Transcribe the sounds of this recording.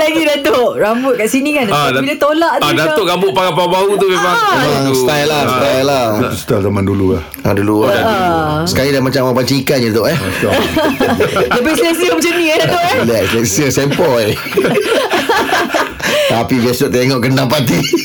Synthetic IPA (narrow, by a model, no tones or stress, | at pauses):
laɡidat̪oʔɾambʊt̪̚kaʔsinikanadabilat̪olaʔd̪dat̪oʔɡabʊʔpakapaubaɦut̪ubebaŋast̪ajlast̪ajlat̪ust̪alzamandulula̰ | adulu | səkalidamat͡ʃamapaɲt͡ʃikanɲat̪oʔɛ | dapasesiomt͡ʃənĩadat̪oʔɛliaslaksəsɛmpɔj | t̪apibiasɔʔt̪aeŋɔʔɡəndaŋpat̪̬i